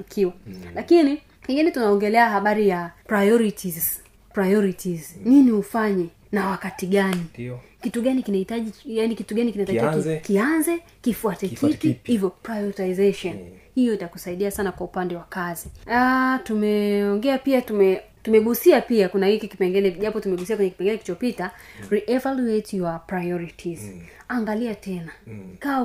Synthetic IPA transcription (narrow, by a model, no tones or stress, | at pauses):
ikʰiwalakini | kiŋɡinɛtunaɔŋɡɛlɛahaɓaɾijapɾajɔɾitʰiz | pɾajɔɾitizɲinihufaɲɛ | nawakatiɠanikituɠanikinahitaʄijanikituɠanikinataiakianzɛ | kifuatɛkʰituhivjɔpɾajɔɾitaizɛʃɔnhijɔitakusaiɗiasanakwaupandɛwakaziatumɛɔŋɡɛapiatumɛ | tumɛɠusiapiakunahikikipɛŋɡɛlɛʄapɔtumɛɠusiakwɛɲɛki̥pɛŋɡɛlɛkit͡ʃɔpitaɾiʔɛvaluetʰiwapɹajɔɾitʰizaŋɡaliatɛnaka